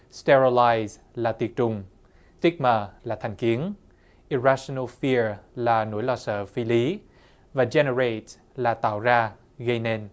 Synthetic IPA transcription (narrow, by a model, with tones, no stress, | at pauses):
stɛ˧ɹə˧la˧jz | laː˨˩t̪i˨˩ət̚t͡ɕʊ˨˩ŋ͡m | t̪i˦˥k̚məː˨˩laː˨˩t̪ʰɛ˨˩jŋ̟ki˨˦ən | ʔi˨˩ɹa˧so˧nə˧lfi˧əɹlaː˨˩nṵ˧˥jlɔ˧˩sə̰ː˧˨fi˨˦li˨˦ | vaː˨˩zɛ˧nə˧ɹe˨˩t̚ | laː˨˩t̪a̰ː˧˨wzaː˧ | ɣə˧jne˧n